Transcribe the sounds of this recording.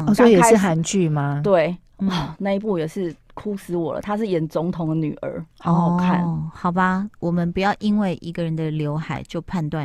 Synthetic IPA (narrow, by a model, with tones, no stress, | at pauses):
swɔ˦˧˥i˨˧jɛ˨˥ʂɻ̩˥˩xa˧˦nt͡ɕy˥˨ma˨t̪we˥˩ɪ | n̩˥ɔ˩na˥˧i˧˥pu˥˩jɛ˨˩ʂɻ̩˥˩ | kʰu˦sɹ̩˧˦wɔ˨˩lə̰˦t̪ʰa˥ʂɻ̩˥˩jɛ˨˦nt͡sʊ˧˥ŋt̪ʰʊ˨˧ŋd̪ə˨ny̰˨˩ʔə̰˧˦˥ɔ˥˨˩kʰa̰˥˨nxɑ˨˩ʊba˦wɔ˨˩mə˦npu˨˦jɑ˥˩ʊʔi˦nwe˥˩ɪʔi˦˥ɡə˨ɻə˧˦nd̪ə˨ljo˧˥ʊxa˨˩ɪt͡ɕjo˥˧ʊpʰa˥˧nt̪wa˥˨